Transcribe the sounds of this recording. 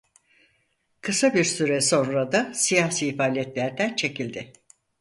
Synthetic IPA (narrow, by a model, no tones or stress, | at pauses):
kʰɯsabiɾsyɾɛso̞nɾad̪asijaːsiːfaːlʲɛt̪lʲæɾd̪ænt͡ʃʰe̞cilʲd̪ɪ